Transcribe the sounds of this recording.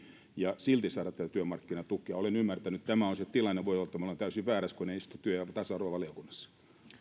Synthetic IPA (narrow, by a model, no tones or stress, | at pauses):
jɑsilt̪isɑːɾɑt̪ːæt̪æt̪yømɑrkːinɑt̪ukːˑiɑolenymːært̪ænyt̪t̪æmæonset̪ilɑnːeʋoijolːt̪ːɑmolent̪æysiʋæːɾæskoneiist̪ut̪yøjɑt̪ɑsɑruʋɑʋɑliokunːɑsːɑ̥